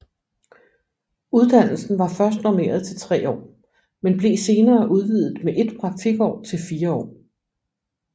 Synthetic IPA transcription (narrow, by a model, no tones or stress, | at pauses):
uð̞ˠd̥æn̰l̩sn̩ʋɑ̈fɶɐs̬d̥nɒme̝̰ːɐð̞ˠt͡sʰe̝lt͡sʰʁɛ̰ːɒ̰ː | menb̥le̝ːse̝ːnɐːʔuð̞ˠʋiðˠð̩ˠmeʔe̝d̥pʰʁɑ̈ɡfiɡ̥ɒ̰ːt͡sʰe̝lfiːɐɒ̰ː